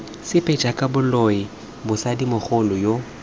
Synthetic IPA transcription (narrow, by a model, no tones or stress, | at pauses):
sɪpʰʼɛd͡ʒʼakʼabʊlɔɪ | bʊsadimʊχʊlʊjo